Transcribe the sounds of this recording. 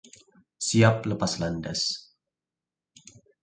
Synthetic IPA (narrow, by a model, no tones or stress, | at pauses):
siap̚ləpaslandas